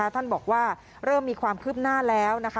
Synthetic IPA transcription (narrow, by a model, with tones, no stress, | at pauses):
wt̪ʰa˥˩nbɔː˨˩k̚waː˥˩ | ɾɤː˥˩mːiː˧kʰwaː˧mkʰɯː˥˩p̚naː˥˩lɛː˦˥wna˦˥kʰa˦˥